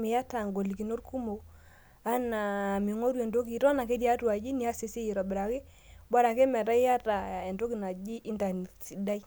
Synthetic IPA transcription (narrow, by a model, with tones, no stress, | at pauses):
me˨ja˦ta˨ŋɡo˨li˨ki˨no˦ɾku˦mo˨ | a˦naː˨mi˨ŋo˦ɾwɛ˨ndo˦ki˨tɔ˦na˨ke˦ti˦a˦twa˨d͡ʒi˦ni˦a˦se˨se˦ji˨ɾɔ˨bɪ˨ɾa˨ke˦ | ba˦ɾa˨ke˦mɛ˨ta˦i˦ja˦ta˨e˨ndo˦ki˨na˨d͡ʒi˦ʔi˦nta˨n˨si˨da˦i˦